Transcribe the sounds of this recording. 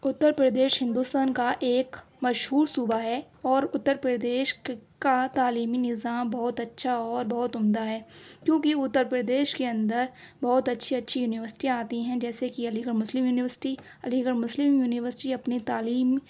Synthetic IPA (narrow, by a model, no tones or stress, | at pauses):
ʊt̪ːəɾpɾəd̪eːʃɦɪ̃nd̪uːst̪aːnkaʔeːk | mɐʃɦuːɾsuːbaɦɛː | ɔːɾʊt̪ːəɾpɾəd̪eːʃkat̪aːliːminɪzaːmbɐɦʊt̪ɐtːʃʰaɔːɾbɐɦʊt̪ʊmd̪aɦɛːkjõːkiʊt̪ːəɾpɾəd̪eːʃkeɐ̃nd̪əɾ | bɐɦʊt̪ɐtːʃʰiɐtːʃʰijuːnɪʋəɾsɪ̥ʈiaːt̪iɦɛ̃d͡ʒɛːsekiɐliːɡəɾmʊslɪmjuːnɪʋəɾsɪ̥ʈi | ɐliɡəɾmʊslɪmjuːnɪʋəɾsɪʈiɐpnit̪aːliːm